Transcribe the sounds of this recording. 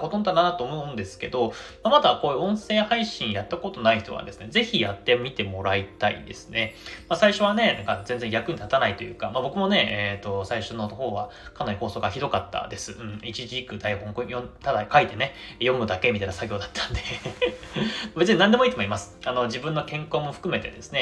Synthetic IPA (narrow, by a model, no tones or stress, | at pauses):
kot̪ont̪anat̪ːoːmoɯ̃nd̪e̞sɨ̥ke̞d̪o̞mamad̪ako̞ːjɯ̟õ̞ɰ̃se̞ːhaiɕĩɰjat̪ːako̞t̪o̞naiç̥t̪o̞βa̰d̪e̞sɨne̞ze̞çʲijat̪ːe̞mʲit̪e̞mo̞ɾait̪aḭd̪e̞sɨ̥ne̞masaiɕo̞β̞ane̞nãŋkazẽ̞nd͡zeŋjakɯ̟ɲ̟it̪at̪anait̪ojɯ̟̰ːkamabo̞kɯ̟mo̞ne̞et̪o̞saiɕo̞noho̞ːβa | kanaɾʲiho̞ːso̞ːɡaçid̪o̞kat̪ːa̰d̪e̞sɨɯ̟̃ɴit͡ɕiʑiːkɯ̟d̪aihõ̞ŋkõjõt̪ad̪akait̪e̞ne̞jo̞mɯ̟d̪ake̞mʲit̪ainasaɡʲo̞ːd̪at̪ʰːḁ̃nd̪e̞ | mabe̞t͡sɨɲ̟inãnd̪e̞moit̪emo̞imasɨ̥ano̞d͡ʑibɯ̟̃nːo̞kẽ̞ŋko̞ːmo̞ɸɯ̟̥kɯ̟me̞t̪e̞d̪e̞sɨne